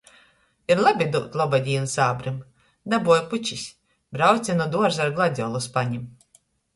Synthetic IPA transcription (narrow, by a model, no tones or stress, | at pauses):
iɾlˠabʲid̪uːt̪lˠɔbad̪ʲijnsaːbɾim | d̪abuɔjput͡ʃisʲ | bɾawt̪sʲɛnud̪uɔɾzaɾɡlˠad̪ʲɔlˠuspaɲim